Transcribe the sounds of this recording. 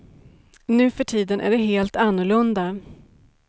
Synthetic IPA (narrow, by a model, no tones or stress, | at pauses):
nʉ̟ːfœʈʰiːd̪ənʔæ̰ɖɛɦeːlt̪anːʊɭɵnd̪a